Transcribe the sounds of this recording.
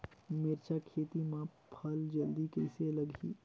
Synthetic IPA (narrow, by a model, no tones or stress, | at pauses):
mɪɾt͡ʃakʰeːt̪imãpʰɐld͡ʒɐld̪ikeɪselɐɡʱḭː